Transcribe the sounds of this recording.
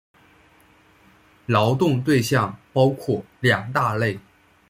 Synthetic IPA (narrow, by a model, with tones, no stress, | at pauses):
lɑ˧˥ʊt̪ʊ˥˧ŋt̪we˥˧ɪɕjɑ˥˩ŋpɑ˥ʊkʰwɔ˥˩ | ljɑ˨˩ŋt̪a˥˧le˥˩ɪ